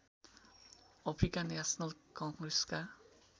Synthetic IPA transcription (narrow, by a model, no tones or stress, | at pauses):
ɔpʰɾikanɛsɔnʌlkɔŋɡɾeska